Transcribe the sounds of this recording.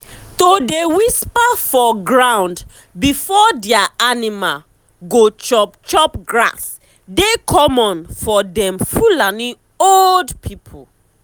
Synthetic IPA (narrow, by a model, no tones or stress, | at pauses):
todewispafɔɡɹãw̃nd | bifɔdɛaanimal | ɡot͡ʃɔpt͡ʃɔpɡɹa̰s | dekʰɔmɔ̃nfɔdɛ̃mfulani | oldpʰipʰṵ